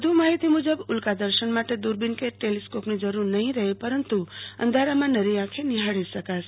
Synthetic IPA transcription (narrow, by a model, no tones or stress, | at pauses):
d̪ʱumaɦit̪imud͡ʒəbʊlkad̪əɾʃənmaʈed̪uɾbinkeʈeliskopnid͡ʒəɾuɾnəɦĩɾəɦepəɾənt̪uə̰nd̪ʱaɾamãnəɾiãkʰeniɦaɽisəkas